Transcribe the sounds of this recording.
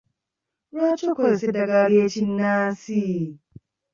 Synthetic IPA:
ɾat͡ʃukʷɔsedɐɡaːɽijet͡ʃɪnːaːsi

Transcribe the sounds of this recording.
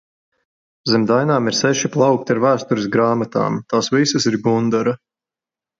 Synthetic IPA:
zɛmd̪ajnaːmiɾsɛʃiplˠɑwk̚t̪iaɾvæːst̪uɾisɡɾaːmat̪a̰ːmt̪aːsvisɐsiɾɡund̪aɾɐ

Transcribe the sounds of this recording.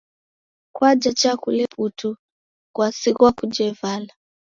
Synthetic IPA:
kwad͡ʒat͡ʃakulɛpʰutu | kwasikuakud͡ʒɛvala

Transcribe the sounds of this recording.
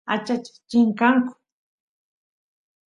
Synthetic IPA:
a̰t͡ʃat͡ʃɪ̥t͡ʃɪŋkaŋkʊ̥

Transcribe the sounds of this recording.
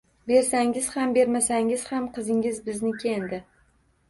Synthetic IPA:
be̞ɾsaŋɪz̥hambe̞ɾmasaŋɪz̥hamqʰɨzɪŋɪzbɪznɪkʲʰend̪ɪ

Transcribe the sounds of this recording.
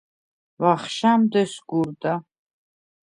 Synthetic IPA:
vaχʃamd̪ɛsɡuɾd̪a

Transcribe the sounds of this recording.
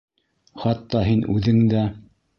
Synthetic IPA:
χɑt̪ːɑɦinʔʉðɘŋd̪æ

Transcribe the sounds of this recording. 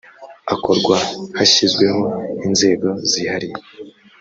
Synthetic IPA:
ako̞ɾɡwahaçizɡwe̞ɦo̞inze̞ːɡo̞zihaɾije

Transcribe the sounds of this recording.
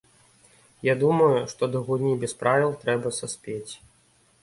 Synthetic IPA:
jad̪umɐjuʂt̪ɔd̪ɐɣunʲibʲɛspɾavʲilˠt̪ɾɛbɐsɐsʲpʲet͡sʲ

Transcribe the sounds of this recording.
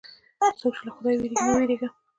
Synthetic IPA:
sowkʃilaxʊd̪ɑjweɾiɡnaweɾeɡa

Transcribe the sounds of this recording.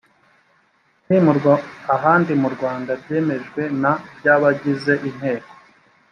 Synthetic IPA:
nimuɾaɦaːndimuɾɡwaːndaɾɟe̞ːme̞ʒɡwe̞nabɟaːβaɟize̞ʔin̥he̞ːko̥

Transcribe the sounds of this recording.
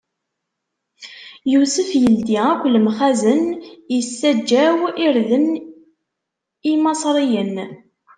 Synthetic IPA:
jusəfjəld̪iækʷːləmχæzənjəsːæd͡ʒːæwiɾðən | imɑsˤɾˤijən

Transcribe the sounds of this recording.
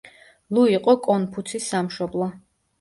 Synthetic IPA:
luiqʼɔkʼɔnpʰut̪sʰisːamʃɔblˠɔ

